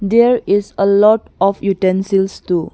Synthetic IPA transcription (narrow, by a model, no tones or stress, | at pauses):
d̪eɾisəlɔt | ɔfjutɛ̃nsilstu